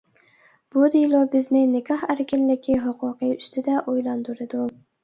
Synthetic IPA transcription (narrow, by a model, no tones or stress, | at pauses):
b̥ʊd̪ijlˠɒbɪznɪnɪɡʲɑhæɾkʲʰɪnlɪɡʲɪɦʊqʰʊqɨjʊst̪ʰɪd̪aʔojlˠand̪ʊɾɪd̪ʊ